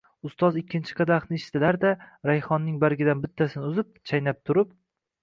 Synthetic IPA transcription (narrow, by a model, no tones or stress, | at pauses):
ʊst̪ɒzɪkʲːɪnt͡ʃʰɪ̥qʰɑd̪aχnɪeʃɪ̥t̪ɪlaɾd̪aɾajχɒnːɪŋbaɾɡʲɪd̪anbɪt̪ʰːasɪnɪʊzɪp̚t͡ʃʰajnap̚t̪ʰʊɾɪp̚